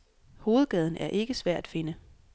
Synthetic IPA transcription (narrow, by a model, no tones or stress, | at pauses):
ho̝ːð̞̩ˠɡ̥ɛð̞ˠn̩æɐʔe̝ɡ̥əsʋæɐ̰d̥æ̥fe̝nə